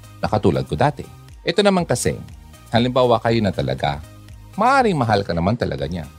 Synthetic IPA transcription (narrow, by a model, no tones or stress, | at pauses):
nɐkɐt̪uːlɐ̰d̪̚kod̪aːt̪ɛ̰ | ʔɛt̪o̞nɐmankɐsɛ̰ | hɐlɪmbaːwɐkɐjonɐt̪ɐlɐ̰ɡa̰ | mɐʔaːɾɪŋmɐɦalkɐnɐmant̪ɐlʔɐ̰ɡa̰ɲa̰